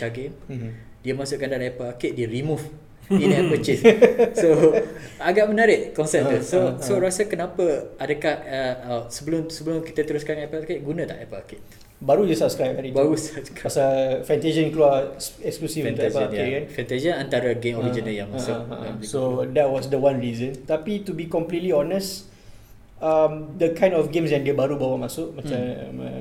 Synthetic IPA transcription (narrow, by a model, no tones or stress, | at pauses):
t͡ʃaɡem | diəmasʊʔkandalaɛpəlakɪʔ̪̚diəɾimuf | ĩnɛpət͡ʃisso | aɡaʔmənaɾɪʔkɔnsɛt̪ːusosoɾasəkənapəadəkahəəsəbəlʊmsəbəlʊmki̥t̪ət̪əɾʊskanɛpəlakɪʔ̚ɡunə̃t̪a̰hɛpəakɪt̪̚ | baɾujusapskɾajp̚aɾibaɾusap̚skɾasafɛ̃nt̪ed͡ʒənkluaɛksklusifnɛekanfɛnt̪ed͡ʒənant̪aɾəɡemɔɾid͡ʒinəljaŋmaasʊaʔsodɛt̚wɔsdəwãnɹizənt̪apit̪ubikɔmplitliɔnəs | amdəkãj̃ndɔfɡẽmsjãŋdiəbaɾubawamasʊʔmãt͡ʃammə